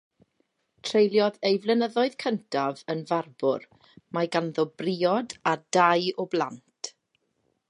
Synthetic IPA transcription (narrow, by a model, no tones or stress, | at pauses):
tʰrejlˠjɔðejvlˠənəðɔɨð̥kʰəntʰavənvarbʊ̰r | maɡanðɔbrɪɔdadajɔblˠantʰ